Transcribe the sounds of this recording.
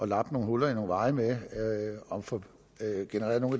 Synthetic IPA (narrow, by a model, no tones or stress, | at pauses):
ɒ̽lɑ̈b̥no̝ːnɦolɐino̝ːnʋɑ̈ɪme | ɒmfɒ̽ | ɡ̥enəʁḛɐno̝ːŋ̩